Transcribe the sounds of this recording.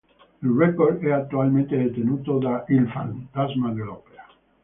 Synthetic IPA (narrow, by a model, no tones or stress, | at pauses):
ilrɛkːord̪ɛat̪ːualment̪ed̪et̪enuːt̪od̪aʔilfa̰nt̪azmad̪elɔːpea